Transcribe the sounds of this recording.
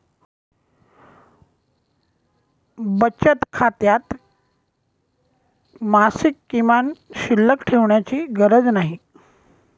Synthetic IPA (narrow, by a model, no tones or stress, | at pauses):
bət͡ɕət̪kʰat̪jat̪ | masikːimanɕilːəkʈʰeʋɳjat͡ɕiːɡəɾəd͡znaɦi